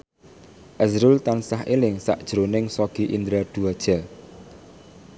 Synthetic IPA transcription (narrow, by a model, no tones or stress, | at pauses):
ʔɛzɾult̪ansaɦelɪŋsa̰ʔd̥ʒ̥ɾonɪŋsɔɡ̥i̤ʔind̪ɾad̪̥uad̥ʒ̥a